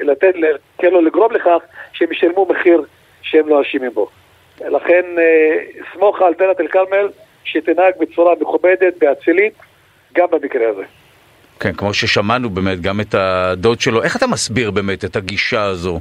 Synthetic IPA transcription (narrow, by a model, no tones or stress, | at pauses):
lat̪et̪lekenloliɡʁo̞mleχaχʃeemiʃalmumeχiʁ | ʃeemlonaʃimimbo̞ | laχenismo̞χalt̪elat̪elkalmel | ʃet̪inhaɡ̚bet͡suɾameχubed̪et̪̚beat͡silit̪ | ɡambemikʁeazḛ | kʰenkmo̞ʃeʃamanubeːmetɡamet̪ad̪o̞d̪ʃe̞lo̞ʔe̞χat̪amasbiʁbe̞ːme̞tetaɡiʃaːzo̞